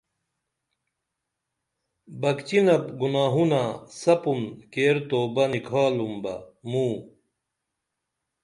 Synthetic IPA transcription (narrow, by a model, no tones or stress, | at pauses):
bɐkt͡ɕinɐbɡunaːɦunasɐpunkeːɾt̪oːbɐnikʰaːlumbɐ̰muː